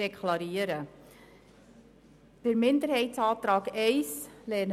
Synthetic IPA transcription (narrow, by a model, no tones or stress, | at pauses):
ekʰlɑɾiəɾə | d̥əɾmɪndəɾɦhɛɪtsɑːtɾɑːkɛɪslɛːn